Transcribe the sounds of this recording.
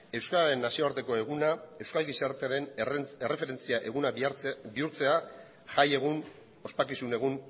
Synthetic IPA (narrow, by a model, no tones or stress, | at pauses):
e̞wskaaɾe̞nːasio̞aɾt̪e̞ko̞e̞ɣunae̞wskalɣisaɾt̪eɾe̞ne̞re̞fe̞ɾe̞nt͡siaʔe̞ɣunabiuɾt͡se̞a | ʝaje̞ɣ̞un | o̞spakisune̞ɣun